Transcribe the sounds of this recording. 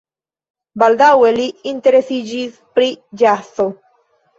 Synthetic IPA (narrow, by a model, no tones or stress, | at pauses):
bald̪aweliːnt̪e̞ɾesid͡ʒis | pɾid͡ʒaso